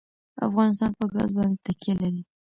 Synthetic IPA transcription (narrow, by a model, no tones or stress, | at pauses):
a̰fɣɑnɪs̬t̪ɑnpəɡɑ̰zbɑnt̪akelaɾi